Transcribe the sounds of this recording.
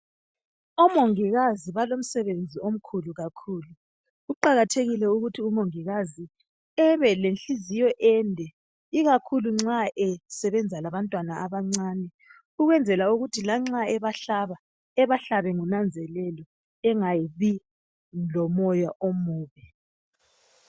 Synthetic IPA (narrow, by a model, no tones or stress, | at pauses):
ɔmoŋiɣaziβalom̩sɛβend͡zʱiom̩kʰuluɣakʰuːlu | uǃaɣatʰeɣilɛuɣutʰiumoŋiɣazi | ɛβɛlenɬizijɔʔɛndʱɛ | iɣakʰuluŋ͡ǁaʔɛsɛβɛnd͡zʱalaβantʼwanaaβaŋ͡ǀaːnɛ | uɣwɛnd͡zʱɛlauɣutʰilaŋ͡ǁaɛβaɬaβa | ɛβaɬaβɛŋunand͡zʱɛlɛlɔ | ɛŋajiβi | lɔmɔjaʔomuːβɛ